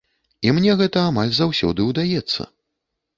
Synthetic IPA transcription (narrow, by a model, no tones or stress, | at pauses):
imnʲɛɣɛt̪ɐamalʲzawsʲɔ̰d̪ɨwd̪ajɛt̪sːɐ̰